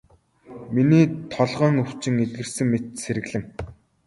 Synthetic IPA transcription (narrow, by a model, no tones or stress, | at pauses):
miniːt̪ʰɔɮʁœːŋɵw̥t͡ɕɪ̆ŋet̪̚ɡɘ̆rsɘ̆ŋmet̪̚seɾɘ̆ɣɮɘ̆ŋ